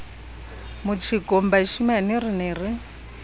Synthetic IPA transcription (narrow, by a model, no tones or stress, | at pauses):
mut͡ʃʰikʼɔmbaiʃimanirineːri